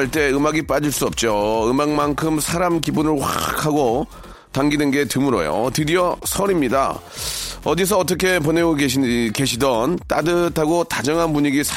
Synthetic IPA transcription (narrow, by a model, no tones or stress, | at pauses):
ɭt͈e̞ɯmaɡip͈ad͡ʑiɭs͈uʌp̚t͡ɕ͈oɯmaŋmankʰɯmsʰaɾamkibunɯɭɸwa̰kʰaɡo | taŋɡinɯnɡe̞tɯmuɾʌ̰jo̰tɯdiʌsʰʌɾimɲida̰ | ʌdis̬ʰʌːt̬͈ʌkʰe̞p̬oneɡoeke̞ɕʰidʌnt͈a̰dɯtʰaɡotad͡ʑʌŋanpuɲiɡisʰ